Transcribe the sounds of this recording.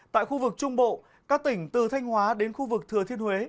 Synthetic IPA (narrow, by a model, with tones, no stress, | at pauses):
t̪a̰ː˧˨jxu˧vɨ˨˩k̚t͡ɕʊ˧ŋ͡mɓo̰˧˨ | kaː˦˥k̚t̪ï˧˩ŋ̟t̪ɨ˨˩t̪ʰa˧jŋ̟hwaː˨˦ɗe˨˦nxu˧vɨ˨˩k̚t̪ʰɨ˨˩ət̪ʰi˧ənhwe˨˦